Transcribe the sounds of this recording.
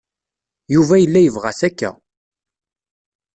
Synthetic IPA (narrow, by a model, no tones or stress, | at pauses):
juvæjəlːæjəvʁæsækːæ̰